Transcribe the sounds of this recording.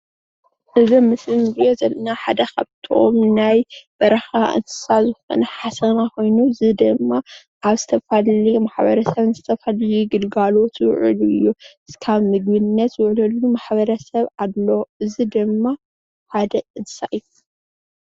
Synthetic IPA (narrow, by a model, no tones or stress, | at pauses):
ʔɨzomːɨsɨnziozɐlnaħad̪ɐkʰɐβt̪ʰo̰mnajb̥ɐɾɐxaʔɨ̰nsɨ̥sazɨfo̰nɐħasɐnako̞jnuɨzid̪ɨmːa | ʔaβz̥ɨt̪ʰɐfaliumaħbɐɾɐsɐβnɨzɨt̪ʰɐfaljuɡɨlɡalo̞t̪jwʊ̰ʕɨluɨjːu | kʰaβmɨɡ̚bɨnnːɐt̪wʊʕlɨlumaħbɐɾɐsɐβad̪loɨzid̪ɨmːa | ħad̪ɐɨzsaʔj